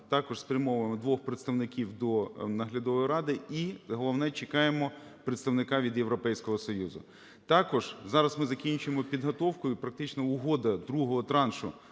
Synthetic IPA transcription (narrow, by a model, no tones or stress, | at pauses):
t̪ɑkɔʒspɾʲɐmɔʋmɔd̪ʋɔxpɾet̪st̪ɐʋnɪkʲiwd̪ɔnɐɦlʲɐd̪ɔʋɔjɾɑd̪ɪiɦɔlˠɔwnɛt͡ʃekɑjemɔpɾet̪st̪ɐwnɪkɑʋʲid̪jewɾɔpɛjsʲkɔɦɔsɔjuzʊ̰ | t̪ɑkɔʒ̥zɑɾɐsmɪzɐkʲinʲt͡ʃʊjemɔpʲid̪ɦɔt̪ɔwkʊjʊpɾɐk̚t̪ɪt͡ʃnɔʊɦɔd̪ɐd̪ɾuɦɔɦɔt̪ɾɑnʃʊ̰